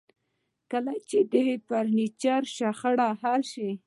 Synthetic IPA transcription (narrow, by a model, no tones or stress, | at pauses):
kalajt͡ʃed̪ehepaɾnit͡ʃaɾʃaxəɽaɦalʃi